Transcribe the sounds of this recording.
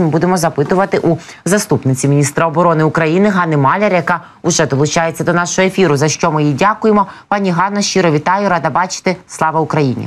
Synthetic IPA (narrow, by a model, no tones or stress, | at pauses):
mɪbud̪emɔzɐpɪt̪ʊʋɐt̪ɪʔu | zɐst̪upnɪt͡sʲimʲinʲist̪ɾɐɔbɔɾɔnɪʊkɾɐjinɪɦɑnɪmɑlʲeɾjɐkɑ | ʊʒɛd̪ɔlˠʊt͡ʃɑjet͡sʲːɐd̪ɔnɑʃʊɦɔefʲiɾʊzɐʃt͡ʃɔmɪjidʲakʊjemɔpɑnʲiɦɑnːɔʃt͡ʃiɾɔʋʲit̪ɑjʊɾɑd̪ɐbɑt͡ʃɪ̥t̪eslˠɑʋɐʊkɾɐjinʲḭ